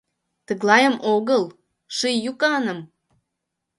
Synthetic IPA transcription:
t̪əɣlɑjəmʔoɣəl | ʃɨjjukɑnə̆m

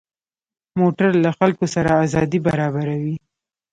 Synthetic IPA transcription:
moʈaɾlaxalkosaɾaːzɑd̪ibaɾɑbaɾawi

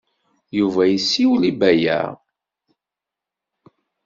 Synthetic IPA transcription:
juvæjəsːiwlibæjæ̰

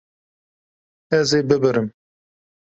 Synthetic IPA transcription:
ɛzeːbɨbɨɾɨm

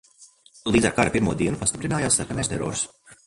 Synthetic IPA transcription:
lˠiːd̪za̰ɾkaɾapiɾmuɔd̪iɛnupast̪ipɾinaːjaːsːakanɛːjst̪ɛɾɔ̰ːɾus

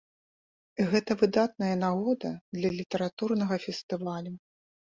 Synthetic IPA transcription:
ɣɛt̪ɐvɨd̪at̪nɐjɐnaɣɔd̪ɐd̪lʲɐlʲit̪ɐɾat̪urnɐɣɐfʲɛst̪ɨvalʲu

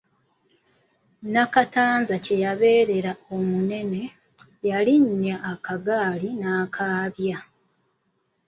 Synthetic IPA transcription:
nakataːnzace̞jaβe̞ːɾe̞ɾao̞mune̞ne̞ | jaliɲaːkaɡaːlinaːkʰaːβja

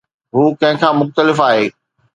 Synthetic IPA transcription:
ɦuːkɐ̃ɦɪ̃kʰãːmʊxt̪əlɪfaːɦeː

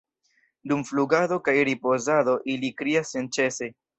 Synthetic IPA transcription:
dumfluɡado̞kajɾipo̞zado̞ʔilikɾiasent͡ʃe̞se̞

